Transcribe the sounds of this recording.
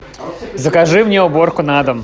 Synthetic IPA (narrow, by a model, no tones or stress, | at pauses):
zəkaʐɨmnʲeʊbo̞rkʊnad̪əm